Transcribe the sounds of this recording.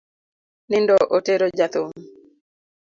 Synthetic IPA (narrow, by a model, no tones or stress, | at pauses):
nɪndɔʔoteɾod͡ʒat̪uŋ